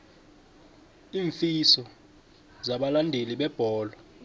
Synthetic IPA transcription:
iːɱfisɔ | zaɓalandʱeliɓɛb̥ʱɔːlɔ

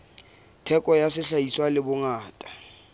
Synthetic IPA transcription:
tʰɛkʼɔjasɪɬaiswalɪbʊŋaːtʼḁ

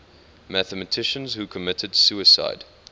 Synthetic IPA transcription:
mæθəmətʰɪʃə̃nz̥hukʰəmɪtʰədsuɪsa̰ɪd̥

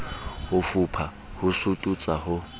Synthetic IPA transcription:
hʊfupʰa | hʊsutʼut͡sʼahʊ

